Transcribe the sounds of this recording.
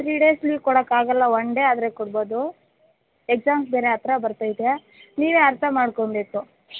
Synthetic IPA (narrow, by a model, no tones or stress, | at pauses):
tɾiɖeːslikɔɽɐkːaːɡɐlːɐoɳɖead̪ɾekɔɽbo̞ːd̪u | ek̚saːmsbeːɾeɐt̪ɾɐbɐɾt̪ajid̪ja | niːʋeːɐɾt̪ʰɐmaːɽkoɳbe̞ːku